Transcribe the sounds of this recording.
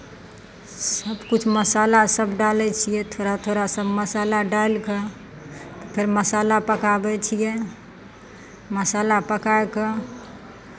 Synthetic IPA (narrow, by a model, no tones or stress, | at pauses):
səbkut͡ʃʰməsalasəbɖalɛt͡ʃʰijɛt̪ʰoɾat̪ʰoɾasəbməsalaɖalkə | t̪ɔpʰeɾməsalapəkabɛt͡ʃʰijɛ | məsalapəkaekə